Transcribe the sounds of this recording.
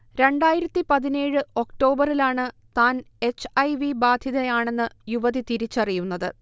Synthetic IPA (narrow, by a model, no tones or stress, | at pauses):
ɾe̞ɳɖaːjiɾɐt̪ːipɐðineːɻɨo̞kʈo̞ːbɐrilaːɳɨt̪aːn | e̞t͡ɕːɐjʋibaːd̪ʱjiðɐjaːɳe̞nːɨjuʋɐðit̪iɾit͡ɕːɐrijunːɐðɨ